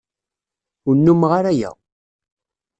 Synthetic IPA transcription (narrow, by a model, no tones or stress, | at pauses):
ʊnːumʁaɾæjæ̰